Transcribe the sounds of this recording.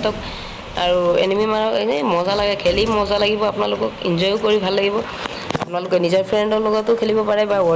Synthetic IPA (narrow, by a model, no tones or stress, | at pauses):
tɔk | aɹuḛnimimaɹɔkenɛmɔzalaɡɛkʰelimɔzalaɡibɔapʊnalʊkɔkḭnzɔjʊkoɹibʱalːaɡibɔ | a̰pʊnalʊkɛnizɔɹpʰɹɛndɔlɔɡɔtʊkʰelibɔpaɹɛbawɔ